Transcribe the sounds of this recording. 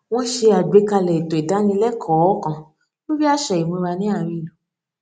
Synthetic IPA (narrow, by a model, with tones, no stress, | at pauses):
w̃ɔ̃˦ʃe˧a˨ɡ͡be˨˦ka˧lɛ˨i˨to˨i˨da˨˦nĩ˧lɛ˦kʰɔ˨˦kã˨ | o˦ɾi˦a˦ʃɛ˨i˨mõ˧ɾa˧nĩ˦a˦˨˧ɾi˧˨lũ˨